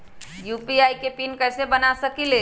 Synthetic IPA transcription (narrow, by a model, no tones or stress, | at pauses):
jupiajkepinkəɦsebənasəkile